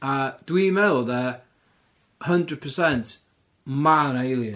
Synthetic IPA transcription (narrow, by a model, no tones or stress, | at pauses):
əd̥wimɛlˠðə | həndɹəd̚pʰəsɛnt | manejlˠjə